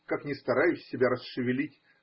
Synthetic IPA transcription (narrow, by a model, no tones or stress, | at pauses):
kaknʲɪst̪ɐɾajʉsʲːɪbʲaɾəsʂɨvʲɪlʲitʲ